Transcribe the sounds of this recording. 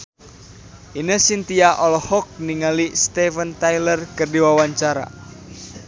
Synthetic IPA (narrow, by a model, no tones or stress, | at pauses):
ʔinəsint̪iaʔɔlɔhɔk̚niŋalist̪ɛfənt̪ajlərkərdiwawaɲt͡ʃaɾa̰